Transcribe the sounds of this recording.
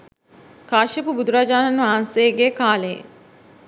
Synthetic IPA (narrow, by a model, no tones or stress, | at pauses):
kaːʃɐpubud̪uɾad͡ʒaːnanʋaɦanseɡeːkaːlḛ